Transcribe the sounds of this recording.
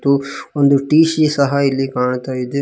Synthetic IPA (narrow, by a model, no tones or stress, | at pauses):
t̪uond̪uʈiːʃisɐɦɐilːikaːɳt̪aːjid̪e